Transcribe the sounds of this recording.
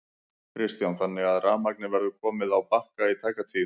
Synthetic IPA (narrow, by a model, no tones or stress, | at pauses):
kʰɾɪst̪janθanːɪɣaðraːmak̚nɪvɛɾðʏkʰɔːmɪðawpahkait̪ʰaːjkat̪ʰiː